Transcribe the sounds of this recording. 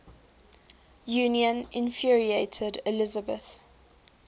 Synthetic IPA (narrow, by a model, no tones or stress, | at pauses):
juːniə̃nʔɪ̃nfɹieɪtʰədɪlɪzəbəθ